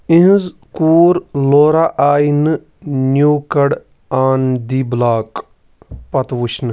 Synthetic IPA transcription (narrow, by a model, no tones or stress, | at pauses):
ĩɦzkuːɾloːɾaʔaːjn | njuːkɐɽ | aːnd̪iːblaːk | pɐt̪ʋut͡ʃʰn